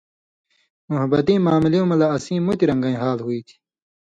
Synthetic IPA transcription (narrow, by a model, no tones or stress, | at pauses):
muɦɐbɐt̪ĩːmaːmiliõmɐlaːsĩːmut̪iɾɐ̃ŋɡɐĩːɦaːlɦuiːt̪ʰi̥